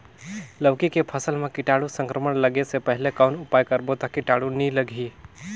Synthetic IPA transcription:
ləʋkikepʰəsəlmekiʈaɽusə̃ŋkɾəməɳləɡesepəɦilekaʊnupajkəɾbot̪ɔkiʈaɽuniləɡʱi

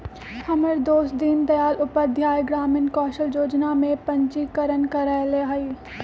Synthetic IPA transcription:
hɐməɾd̪oːsd̪ind̪ɐjaːlʊpəɾd̪ʱjaːjɡɾaːmɪnkɔːʃəljoːd͡ʒnamẽpɐ̃ɲt͡ʃikəɾənkəɾəɦleːɦaiː

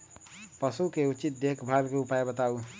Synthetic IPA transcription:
pəsukeut͡ʃit̪̚d̪ekʰbʱabkeupaebət̪au

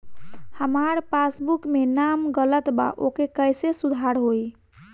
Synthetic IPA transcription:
həmaɾpasbukmenamɡələt̪ba̰ʔokekəjsesud̪ʱaɾɦoj

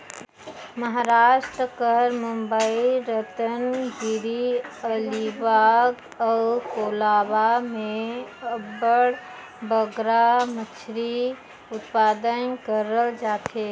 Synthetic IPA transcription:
məɦaːɾaːʃʈɾəkəɾmũmbəiɾət̪ənɡɪɾiəlibaɡ | ɔkoːlaːbamẽəbəɽ | bəɡɾamət͡ʃʰɾi | ʊt̪paːd̪ənkəɾəld͡ʒaːt̪ɦeː

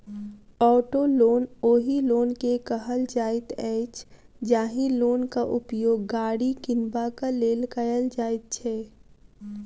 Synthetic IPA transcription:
ɔːʈoloːnoːɦiloːnkekəɦəld͡ʒaːɪt̪ɛːt͡ʃ | d͡ʒaːɦiloːnkaʔʊpjoːɡːaːɽikɪnbakaleːlkəjəld͡ʒaːɪt̪̚t͡ʃʰɛː

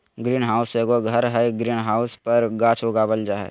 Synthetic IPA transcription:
ɡɾiːnɦaːʊseːɡoɡʱɐɾɦɛɡɾiːnɦaːʊspɐɾɡaːt͡ʃʰoɡaːbəld͡ʒaɦɛ̰

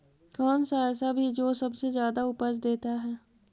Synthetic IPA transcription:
kɔːnsaɛːsabʱid͡ʒoːsɐbsezjaːd̪aʊpəsd̪eːt̪aɦɛː

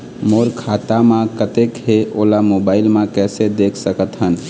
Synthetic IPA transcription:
moɾkʰat̪amãkət̪ekɦeolamobailmẽkɛsed̪ekʰsəkət̪ɦən

